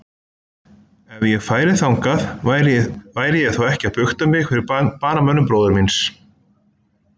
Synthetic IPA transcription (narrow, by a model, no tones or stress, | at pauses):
ɛvjɛɣfaːjɾɪθawŋkaðɾvaːjɾɪjɛɣθawɛhcɪapʏxt̪ʏmɪɣfɪɾɪɾpaːnamœnʏmpɾoːwðʏɾmins